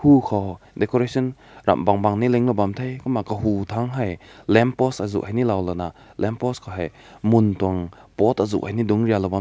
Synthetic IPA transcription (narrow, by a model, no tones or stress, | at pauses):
hukʰɔdɛkɔɾesɔnɾa̰mbaŋbaŋnilɛŋlɔbamt̪ʰejkɔmakəɦut̪ʰaŋɦajlɛmpɔsazṵʔ̚hajnilawlɔna | lɛmpɔskʰɔɦaj | munt̪uaŋpɔt̪azṵʔ̚hajnidʊŋɾialɔba